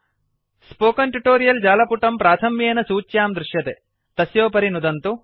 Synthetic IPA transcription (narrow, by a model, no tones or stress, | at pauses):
spoːkɐnʈuʈoːɾijɐld͡ʒaːlɐpuʈɐmpɾaːt̪ʰɐmjeːnɐsuːt͡ʃːjaːmd̪ɾuʃjɐt̪e | t̪ɐsjoːpɐɾinud̪ɐnt̪u